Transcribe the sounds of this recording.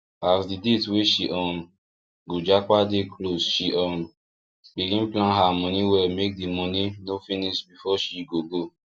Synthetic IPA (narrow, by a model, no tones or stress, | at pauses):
asdidetweʃiʔɔ̃n | ɡod͡ʒakadekʰlosʃiʔɔ̃n | biɡĩnplãnɦamɔ̃nĩwɛlmek̚dimɔ̃ninofinisbifɔʃiɡoɡo